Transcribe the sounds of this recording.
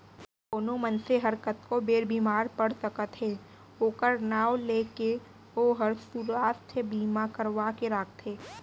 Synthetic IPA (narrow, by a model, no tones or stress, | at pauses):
koːnomənseɦɐɾkət̪kobeːɾbʱiːmaːɾpəɽt̪əkət̪ɦeː | oːkəɾnaːwleːke | oːɦəɾsuɾaːst̪ʰəbiːmakəɾʋakeɾaːkt̪ɦeː